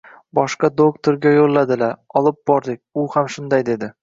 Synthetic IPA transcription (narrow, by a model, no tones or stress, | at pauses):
bɒʃqɑd̪ok̚t̪ʰoɾɡʲajolˠːad̪ɪlaɾɒlˠɪp̚bɒɾd̪ɪkʲʊhamʃʊnd̪ajd̪e̞d̪ɪ